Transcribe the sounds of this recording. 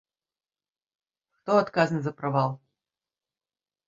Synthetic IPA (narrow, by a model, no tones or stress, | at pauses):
kt̪oɐt̪kazənzɐpɾɐvalˠ